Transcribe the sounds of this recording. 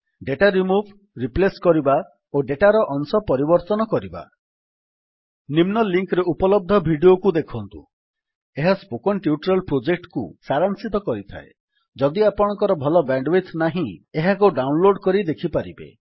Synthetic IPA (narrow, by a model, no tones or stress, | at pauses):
ɖeʈaɾimubʱ | ɾipleskɔɾiba | oɖeʈaɾɔʔɔŋsɔpɔɾibɔɾt̪ɔnɔkɔɾiba̰ | nimnɔliŋkɾeupɔlɔb̚d̪ʱɔbʱiɖiokud̪ekʰɔnt̪ṵ | eɦaspokɔnʈiuʈɾɔlpɾod͡ʒek̚ʈkṵsaɾansit̪ɔkɔɾit̪ʰa̰e | d͡ʒɔd̪iapɔɽ̃ɔ̃ŋkɔɾɔbʱɔlɔbaɳɖwet̪ʰnaɦĩeɦakuɖawnloɖkɔɾid̪ekʰipaɾibḛ